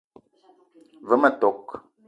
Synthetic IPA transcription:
və˨˦mə˨tɔ˨k

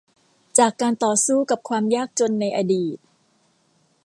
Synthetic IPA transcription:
t͡ɕaː˨˩kːaː˧nt̪ɔː˨˩suː˥˩ka˨˩p̚kʰwaː˧mjaː˥˩k̚t͡ɕo˧nːa˧jʔa˧diː˨˩t̪̚

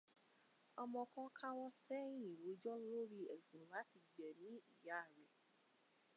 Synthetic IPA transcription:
ɔ˧mɔ̃˧kɔ̃˧˦kʰa˦wɔ˦sfɛ˦jĩ˨ɾo˨˦d͡ʒɔ˦lo˦ɾi˦ɛ˨zũ˨ɾũ˨la˨˦ti˧ɡ͡bɛ˨nĩ˨˦i˦˨ja˦˨ɾɛ˨

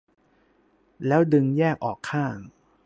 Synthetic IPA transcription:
lɛː˦˥wdɯ˧ŋjɛː˥˩k̚ʔɔː˨˩kʰːaː˥˩ŋ

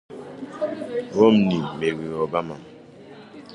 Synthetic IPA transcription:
wɔ˦mni˨me˨wi˨ɔ˨ba˦ma˨

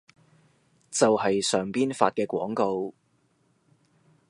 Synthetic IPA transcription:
t͡sɐ˨whɐ˨jsœː˨ŋpiː˥nfa̰ː˧t̚kɛː˧kʷɔː˨˥ŋko˧w

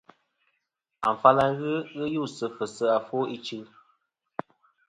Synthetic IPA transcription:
a̰˨ɱ˨fa˦la˦ɣɨ˦ɣɨ˦ju˦˨sɨ˧fə˨sə˦a˨fo˦i˦t͡ʃɨ˦

